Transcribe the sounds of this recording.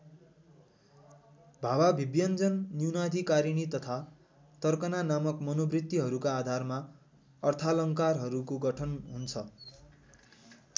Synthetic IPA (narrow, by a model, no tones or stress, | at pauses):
bʱawabʱibjʌnd͡zʌnːjunad̪ʱikaɾiñit̪ʌt̪ʰa | t̪ʌrkʌnanamʌkmʌnobrit̪ːiɦʌɾukaːd̪ʱarma | ʌrt̪ʰalʌŋkarɦʌɾukoɡʌʈʰʌnɦunt͡sʰʌ